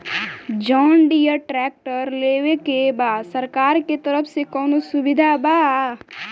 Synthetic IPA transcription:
d͡ʒɔːnɖijəʈɾɛːk̚ʈəɾleːwekebaːsɐɾkaːɾket̪ɐɾəpʰsekɔːnosʊbɪd̪ʱabaː

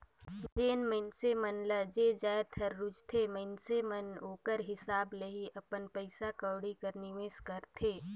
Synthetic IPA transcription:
d͡ʒeːnməɪnsemənləd͡ʒed͡ʒaːjt̪ʰɐɾːʊd͡ʒt̪ʰemɐɪnsemɐnoːkəɾɦɪsaːbləɦiɐpənpəɪsakəwɽikɐɾnimẽskəɾt̪ʰeː

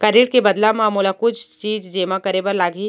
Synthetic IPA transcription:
kɐɾiʈ̚kebɐd̪lamaːmuːlakʊt͡ʃʰt͡ʃiːd͡ʒd͡ʒeːmakɐɾebəɾlaːɡi

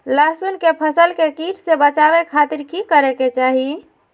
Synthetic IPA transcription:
lasunkepʰəsəlkekiʈsebət͡ʃabekʰat̪iɾkikəɾeket͡ʃaɦi

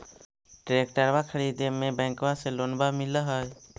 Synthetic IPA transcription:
ʈɾekʈəɾbakʰəɽid̪emẽbɛ̃ŋkbaselonbamiləɦəj

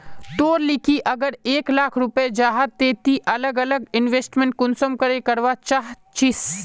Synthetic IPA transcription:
t̪oːɾlɪkiʔɐɡəɾeːklaːkʰɾʊped͡ʒaːɦad̪̚t̪eːt̪iʔɐləɡɐləɡɪnʋeːsʈmẽɳʈ̚kʊnsəmkəɾekɐɾʋat͡ʃaɦ | t͡ʃɪs

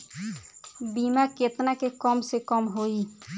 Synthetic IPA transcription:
bimaket̪nakekɔmsekɔmɦoi

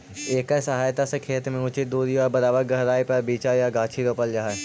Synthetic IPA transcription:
eːkesɐɦaːjt̪asekʰeːt̪mẽut͡ʃid̪uːɾiɔːɾbɐɾaːbəɾɡɐɦɾaːipɐɾbiːt͡ʃajaɡaːt͡ʃʰiɾoːpəld͡ʒaɦa

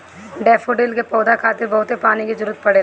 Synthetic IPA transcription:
ɖɛːfʰoɖeːlkepɔːd̪akʰaːt̪ɪɾbɐɦʊt̪epaːnikid͡ʒʊɾət̪̚pɐɽeː

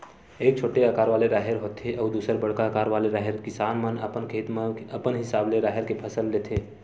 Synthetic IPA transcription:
eːk̚t͡ʃʰoːʈeakaːɾʋaːleɾaːɦeɾɦoːt̪ʰeʔɔːɾd̪uːsəɾbəɽkaəkaːɾʋaːleɾaːɦɪɾkɪsaːnmənəpənkʰeːt̪məpənɦɪsaːbleɾaːɦɪɾkepʰɐsəlːeːt̪ʰeː

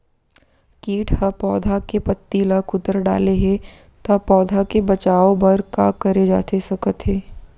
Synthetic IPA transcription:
kiːʈhɐpɔːd̪ʱakepɐt̪ːilɐkʊd̪əɾɖa̰ːleɦɛ | t̪ɐpɔːd̪ʱakebɐt͡ʃaːobɐɾkakɐɾed͡ʒa̰ːt̪esɐkət̪ɦɛː

